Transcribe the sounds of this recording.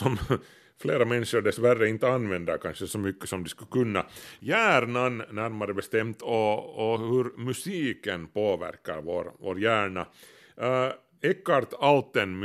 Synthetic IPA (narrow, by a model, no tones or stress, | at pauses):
sɔm | fleːɾamɛnʂʊɖɛsværːəɪnt̪ːəɑnvɛnd̪akʰanʂəsɔmʏkːə̥sɔmd̪ɛskɵkɵnːɑ̰jæːɾɳanːæɾmaɾəbɛst̪ɛmt̪ʰɔːhɵɾmʉsiːkənpoːʋæ̰ɾkːa̰ɾvoːɾvo̰ːɾjæːɳa̰ | ɛkːaɾt̪alt̪ːənm